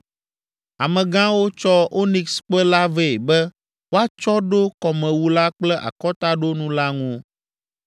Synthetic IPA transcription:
a˨mɛ̃˨ɡã˦wo˦t͡ʃɔ˦o˦nĩ˨ksk͡pɛ˦la˦ve˦˨bɛ˦ | wo˦a˦t͡ʃɔ˦ɖo˦kɔ˨mɛ̃˨wu˦la˦k͡plɛ˦ʔa̰˨kɔ˦t̪a˦ɖo˦nũ˦la˦ŋũ˦

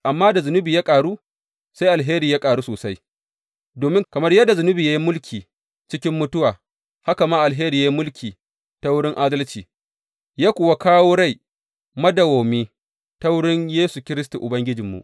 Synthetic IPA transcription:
ʔa˨mːaː˦da˨zʊ˨nʊ˦bi˨ja˦kʼaː˨ɽu˦ | sa˦jʔa˨lɦeː˦ɾiː˨ja˦kʼaː˨ɽu˦soː˨sa˦j | doː˨mɪ˦ŋkɐ˨mɐ˦rjɐ˦dːa˨zʊ˨nʊ˦bi˨jaː˦ji˦mʊ˦lkʲʰiː˨ | t͡ʃɪ˦kʲɪ˦mːʊ˦tʊ˦waː˨ | ha˦ka˨maː˦ʔa˨lɦeː˦ɾiː˨ja˦i˦mʊ˦lkʲʰiː˨ | ta˦wʊ˦ɽɪ˦ŋʔaː˦dɐ˦lt͡ʃiː˨ | jaː˦kʷʊː˨wa˦kaː˦woː˦ɽa˦˨j | mɐ˦dɐ˨woː˨miː˦ | ta˦wʊ˦ɽɪ˦ɲjeː˦su˨kʲɪ˦ɾɪ˦stu˨ʔʊ˨bɐ˦ŋɡʲɪ˦d͡ʒɪ˨mːṵ˨ʔ

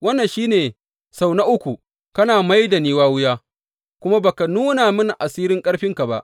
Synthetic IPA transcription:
wɐ˦nːɐ˨nʃiː˦neː˨ | sa˦˨wna˦ʔʊ˦kʷu˨ | kɐ˦naː˨ma˦jda˨niː˦waː˦wʊ˦jaː˦ | kʷʊ˦ma˦baː˨ka˨nuː˦na˨mʊ˦n˨ʔa˨siː˦ɾɪ˦ŋkʼɐ˦ɽɸɪ˦ŋka˨ba˦ʔ

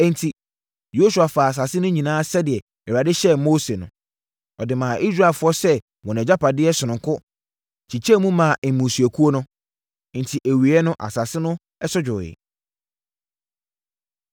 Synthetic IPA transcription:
ɛ̃˨ntʰi˨ | jo˦su˨a˨fa˨a˨s̬a˨sɪ˦nʊ̃˦ɲĩ˨nãː˦sɛ˦dɪ˨ɛ˨ | ɛ˨wa˨dɪ˦ɕɛ˦moː˦se˨nʊ̰̃˨ | ɔ˨dɪ˨mã˨ʔi˦sɾa˨lfʊ˦ɔ˦sɛ˦ | wɔ̃˨ñ˨ɛ˨d͡ʑa˦pa˨dɪ˦ɛ˦sʊ˨nʊ̃˨ŋkʰʊ˦ | t͡ɕʰi˨t͡ɕʰɛ˦mũ˦mã˨ʔɛ˨mũ˨su˨æ˨kʰu˦o˦nʊ̃˦˨ | n̩˨tʰi˨ʔæ˨wi˨ɛ˦nʊ̃˦ʔa̰˨sa˨sɪ˦nʊ̃˦ | ɛ˦sʊ˦d͡ʑᶣʊ˨ɪ̰˨

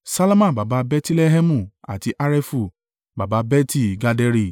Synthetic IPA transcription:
sa˦la˦mã˦˨ba˨ba˨˧˦bɛ˦ti˦lɛ˦ɦɛ˦mũ˦˨a̰˨ti˨˦ʔa˦ɾɛ˦fu˦˨ | ba˨ba˧˦bɛ˦ti˦˨ɡa˧dɛ˧˦ɾi˦˨

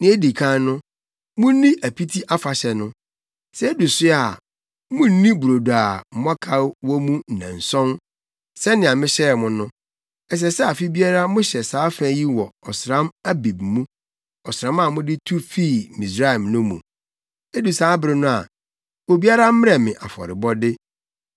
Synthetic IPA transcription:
nɪ̃˦e˦di˨kʰã˦nʊ̃˦ | mʊ̃˦n˦nĩ˦ʔæ˨pʰi˦tʰi˦ʔa˦fa˨ɕɛ˨nʊ̃˦ | sɛ˦e˦du˨sʊ˦a˨ | mʊ̃˦nĩ˦bɾo˨du˨a˨m̩˨mʊ̃˦a˦kʰa˦wɔ˦mũ˦n̩˨nã̰˨n̩˨sɔ̃˦n | sɛ˦nɪ̃˨ã˨mɪ̃˦ɕɛ˦˨mʊ̃˦nʊ̃˦ | ɛ˦s̬ɛ˨sɛ˦a˨fi˦bi˦a˦ɾa˦mʊ̃˦ɕɛ˨saː˦fæ̃˦ji˦wɔ˨ɔ˨sɾã˦ma˦bi˨b̚mũ˦ | ɔ˨sɾã˦mã˨mʊ̃˦dɪ˦tʰu˦fi˦˨mi˨sɾa˦ɛ˨mnʊ̃˦mṵ̃˨ | e˦du˨saː˨˦bɪ˨ɾɪ˦nʊ̃˦a̰˨ | wo˨bi˦a˦ɾa˦m̩˦mɪ̃˦ɾɛ˨mɪ̃˨ʔa˨fɔ̰˨ɾɪ˨bɔ˦dɪ˦

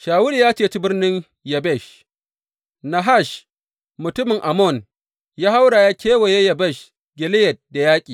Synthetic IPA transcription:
ʃaː˨wʊ˦ɽi˨jaː˦t͡ʃeː˦˨t͡ʃi˦bɪ˦rnɪ˦ŋ | jɐ˨bɛ˦˨ʃ | na˨ɦa˦˨ʃ | mʊ˨tʊ˦mɪ˨ŋʔa˨mɔ˦˨n | jaː˦ha˦wɽa˨jaː˦kʲʰeː˦wa˨je˦jɐ˨bɛ˦˨ʃ | ɡʲɪ˨lɪ˦jɐ˨t̚da˨jaː˦kʲʼiː˨

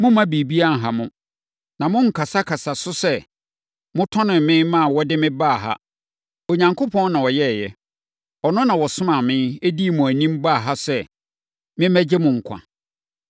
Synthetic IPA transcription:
mʊ̃˦mã˦bi˨bi˦a˦n˨ɦa˨mʊ̃˦ | nã˨mʊ̃˦ŋ̩˨kʰa˨sa˦kʰa˨sa˨sʊ˦sɛ˦ | mʊ̃˦tʰɔ̃˦nʊ̃˨m˨mɪ̃˦mã˦˨wɔ˦dɪ˦mɪ̃˦ba˦˨ɦa̰˦ | o˨ɲã˨ŋkʰʊ˦pʰɔ̃˦nnã˨wɔ˨jɛ˦˨jɛ˦ | ɔ˨nʊ̃˦nã˨wɔ˨sʊ̃˦mã˨mɪ̃˦e˦di˦˨mʊ̃˨æ˨nĩ˦mba˦˨ɦa˦sɛ˦ | mɪ̃˦mæ˦d͡ʑɪ˦mʊ̃˨ŋ̩˨kʷʰã̰˨

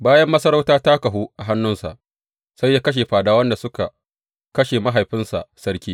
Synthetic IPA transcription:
baː˦jɐ˦mːɐ˦sɐ˦ɾa˦wtaː˦ta˦kɐ˨ɦu˦ʔa˨ɦa˦nːʊ˦nsa̰˨ʔ | sa˦jːaː˦kɐ˦ʃ̬eː˨ɸaː˨daː˦wɐ˦nda˨sʊ˦ka˨ | kɐ˦ʃeː˨ma˦ɦa˨jɸɪ˦nsa̰˨ʔsɐ˦ɽkʲiː˦

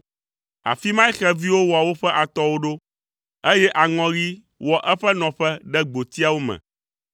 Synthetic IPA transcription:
a̰˨fi˦mã˦xɛ˦vi˦wo˦wɔ˨a˨wo˦ɸɛ˦ʔa˨t̪ɔ˦wo˦ɖo˦ | e˦jɛ˦ʔa˨ŋɔ̃˨ɣi˦ | wɔ˨ʔɛ˦ɸɛ˦nɔ̃˨ɸɛ˦ɖɛ˦ɡ͡bo˨t̪i˦a˦˨wo˦mɛ̰̃˨

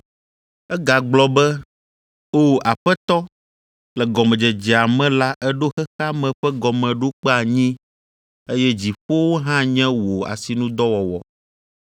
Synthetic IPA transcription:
ɛ˦ɡa˨ɡ͡blɔ˦bɛ˦ | o˦ʔa˨ɸɛ˦t̪ɔ˦ | lɛ˨ɡɔ˨mɛ̃˨d͡ʒɛ˨d͡ʒɛ˨a˨mɛ̃˦la˦ʔɛ˦ɖo˦xɛ˦xa˦mɛ̃˨ɸɛ˦ɡɔ˨mɛ̃˨ɖo˦k͡pɛ˦a˨ɲĩ˦ | e˦jɛ˦d͡ʑi˨ɸo˦wo˦ɦã˦ɲɛ̃˦wo˨a̰˨si˨nũ˦d̪ɔ˦wɔ˨wɔ̰˨

